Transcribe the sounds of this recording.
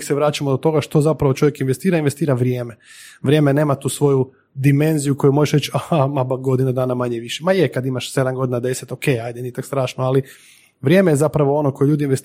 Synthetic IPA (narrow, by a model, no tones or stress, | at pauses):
kseʋɾaːt͡ʃamod̪ot̪o̞ɡaʃt̪o̞zapɾaʋo̞t͡ʃo̞ʋjekinʋest̪iːɾainʋest̪iːɾaʋɾjeːme̞ʋɾje̞ːmene̞ːmat̪uːsʋo̞ju | d̪ime̞nzijuko̞jumo̞ʒeʃɾet͡ɕahamabaɡo̞d̪inad̪aːnamaɲeʋiʃemajekad̪imaʃse̞d̪amɡo̞d̪inad̪e̞se̞t̪o̞kejajd̪enit̪akst̪ɾaːʃnoali | ʋɾjeːmejezapɾaʋoo̞no̞ko̞jeʎuːd̪inʋest̪